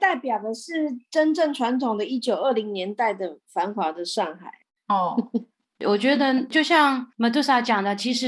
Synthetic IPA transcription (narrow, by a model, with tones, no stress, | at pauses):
t̪a˥˩ɪpjɑ˨˩ʊd̪ə˦ʂɻ̩˥˩ʈ͡ʂə˥nʈ͡ʂə˥˩ŋʈ͡ʂʰwa˧˥nt̪ʰʊ˨˩ŋd̪ə˦i˥t͡ɕjo˨˩ʊə˥˩li˧˥ŋnjɛ˧˥nt̪a˥˩ɪd̪ə˩fa˧˥nxwa˧˥d̪ə˨ʂɑ˥˧ŋxa˨˩˦ɪ | ɔ˥˧˩ | wʔɔ˨˩t͡ɕɥɛ˧˥d̪ə˧t͡ɕjo˥˧ʊɕjɑ˥˩ŋma˧˥t̪u˥sa˥˩t͡ɕjɑ˨˩ŋd̪ə˩t͡ɕʰi˧˥ʂɻ̩˧˥